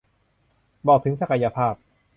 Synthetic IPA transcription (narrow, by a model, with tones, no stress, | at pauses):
bɔː˨˩k̚t̪ʰɯ˩˦ŋsa˧ka˧ja˧pʰaː˥˩p̚